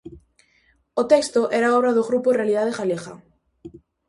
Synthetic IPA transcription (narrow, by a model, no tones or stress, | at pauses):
ot̪ɛkst̪oʔɛɾaɔβɾɐðoɣɾuporealið̞aðeɣalexa̰